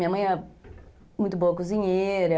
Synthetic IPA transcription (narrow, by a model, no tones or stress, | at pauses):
mamaa | mutubokuziɲeeɾe